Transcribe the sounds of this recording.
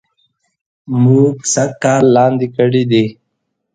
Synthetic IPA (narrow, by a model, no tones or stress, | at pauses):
muːksɐkkːaːɾlaːnd̪ikəɽid̪iː